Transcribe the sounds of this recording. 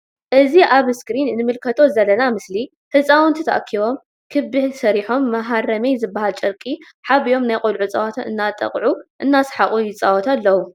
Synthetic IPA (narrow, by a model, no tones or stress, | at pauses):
ʔɨziʔaβskɾinnɨmɨlkʰɐt̪ʰo̞zɐlːɐnamɨsli | ħɨsʼawɨnt̪ʰɨt̪ʰa̰ʔkʰiβo̞m | kʰɨbɨhsɐɾiħo̞mːɐɦaɾɐmejzɨbːahalt͡ʃʼɐɾkʼi | ħaβijo̞mnajqʼolʕut͡sʼawat̪ʰɨ̰nːat̪ʼɐ̰qʼʕuʔɨnːasħaχʼujɪt͡sʼawɐt̪ʰalːɐwu